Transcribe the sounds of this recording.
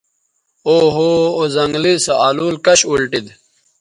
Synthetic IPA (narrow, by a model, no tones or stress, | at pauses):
oːɦoːozɐŋɡlisɐaːluːlkɐɕulʈid̪